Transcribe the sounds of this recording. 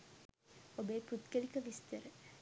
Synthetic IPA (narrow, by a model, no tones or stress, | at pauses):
obeːput̪kəlikəʋist̪əɾə